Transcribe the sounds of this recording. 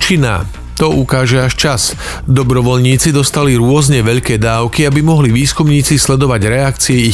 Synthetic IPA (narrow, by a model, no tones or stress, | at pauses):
t͡ʃina̰ː | t̪ɔʔukaːʒɛaʃt͡ʃas | d̪ɔbɾɔʋɔʎɲiːt͡sid̪ɔst̪aliɾʊɔzɲɛʋɛʎkɛːd̪aːʊkiabimɔɦliʋiːskumɲiːt͡sislɛd̪ɔʋaɟɾɛakt͡siɛi